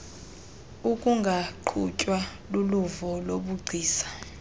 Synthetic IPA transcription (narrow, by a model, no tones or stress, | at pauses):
ukʼuŋɡʱaǃʰṵcʼwaluluvɔloɓuɡ͡ǀʱiːsḁ